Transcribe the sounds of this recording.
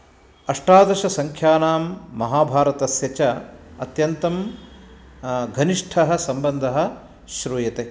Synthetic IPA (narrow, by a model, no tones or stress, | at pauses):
ɐʂʈaːd̪ɐʃɐsɐŋkʰjaːnaːmːɐɦaːbʱaːɾɐt̪ɐsjɐt͡ʃɐɐt̪jɐnt̪ɐm | ɡʱɐniʂʈʰɐɦɐ̆sɐmbɐnd̪ʱɐɦɐ̆ | ʃɾuːjɐt̪e